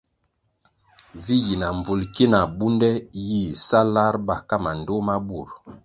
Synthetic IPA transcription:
vi˦ji˨na˨ɱ˨vu˨lki˦na˨bu˦ndɛ˦ji˦˨sa˦la˦ɾba˨ka˦ma˨n˨do˦ma˦bu˦˨ɾ

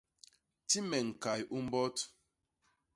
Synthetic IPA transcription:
ti˦me˨ŋ̩˨ka˨ji˨ʔu˦m̩˦bɔ˦tu̥˨

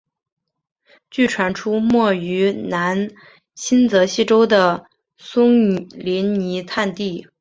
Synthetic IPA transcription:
t͡ɕy˥˩ʈ͡ʂʰwa˧˥nʈ͡ʂʰu˥mwɔ˥˩y˧˥na˧˥n | ɕʰi˥nt͡sɤ˧˥ɕi˥ʈ͡ʂo˥ʊd̪ə˨ | sʊ˥ŋli˧˥nni˧˥t̪ʰa˥˧nt̪i˥˩

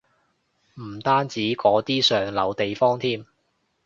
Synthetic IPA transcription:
m̩˨˩t̪aː˥nt͡siː˨˥kɔː˨˥t̪iː˥sœː˨ŋlɐ˨˧wt̪e˨jfɔː˥ŋt̪ʰiː˥m

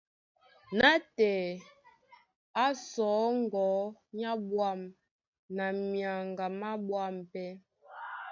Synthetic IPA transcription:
na˦tɛ˨ | a˦sɔː˨˦ŋ˦ɡɔ˨˦ɲa˦bwa˦˨m | na˨mja˨ŋɡa˨ma˦bwa˦˨mpɛ˦

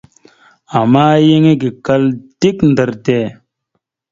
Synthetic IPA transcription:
ɐ˨maː˦je˦ŋe˦ɡi˨kɐ˦lt̪i˦knd̪ɐ˨ɾt̪eː˨

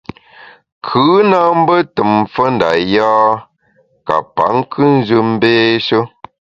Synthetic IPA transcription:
kʰɯː˨˦na˦m̩˦bə˦tə˨mfə˦n̩da̰˨jaː˦ | ka̰˨pa̰˨˦ŋ˦kʰɨ˦n̩˦zə˦m̩˦beː˦ʃə˦

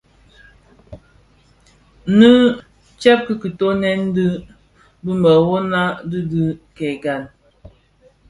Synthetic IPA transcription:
nɨ˦ | t͡ʃɛ˦p̚ki˦ki˨to˦nɛ˦n˦dɨ˦ | bɨ˦mbə˨wɔ˦na˦dɨ˦dɨ˦kɛ˨ɡa˨n

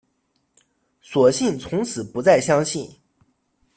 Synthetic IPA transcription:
swɔ˨˩ɕi˥˩nt͡sʰʊ˧˥ŋt͡sʰɹ̩˨˩pu˧˥t͡sa˥˩ɪɕjɑ˥ŋɕi˥˩n

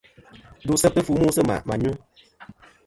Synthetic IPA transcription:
du˦sɛ˦pə˦fu˦mu˦sə˦ma̰˨ma˨ɲu˦

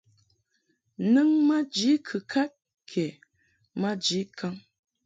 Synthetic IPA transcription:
nɨ˦ŋma˦d͡ʒi˨˦kʰɨ˨kʰa˦t̚ | kʰɛ˨ | ma˦d͡ʒi˨˦kʰa˦ŋ

